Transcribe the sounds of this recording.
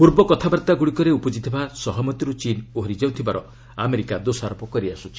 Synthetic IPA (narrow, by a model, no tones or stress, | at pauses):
puɾbɔkɔt̪ʰabaɾt̪aɡuɽikɔɾeupɔd͡ʒit̪ʰibasɔɦɔmɔt̪iɾut͡ʃinoɦɾid͡ʒawt̪ʰibaɾɔ | a̰meɾikad̪osaɾɔpɔkɔɾiasut͡ʃʰi̥